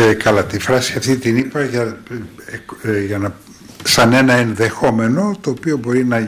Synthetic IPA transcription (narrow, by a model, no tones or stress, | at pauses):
kɐlɐt̪ifɾɐsiɐft̪it̪inipɐʝɐ | kʝɐnɐ | sɐne̞nɐenðe̞xo̞me̞no̞t̪oːpio̞bo̞ɾinɐ